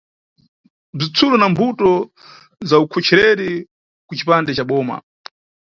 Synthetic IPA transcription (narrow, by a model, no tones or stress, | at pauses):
b͡ʐit͡sʰulɔnambutɔ | zaukʰɔt͡ʃʰɛɾɛɾi | kut͡ʃipandɛt͡ʃaɓɔːma̰